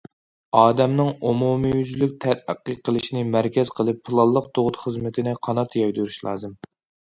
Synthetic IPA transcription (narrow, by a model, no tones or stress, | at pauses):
ɑːd̪ɛmnɪŋumumijyzlyk̚ʲt̪ʰæɾæqːəqʰːəlˠɨʃinɪmæɾkʲɛz̥qʰəlˠɨpʰːɨlˠɑlˠːəq̚t̪ʰoʁʊt̪χəzmɪt̪ʰɪnɪqʰɑnɑt̪ʰjɑjd̪yɾyʃlˠɑ̰ːzɨm